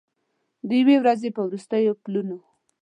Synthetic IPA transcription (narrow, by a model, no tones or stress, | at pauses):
d̪əjawewɾazepəwɾust̪əjopluno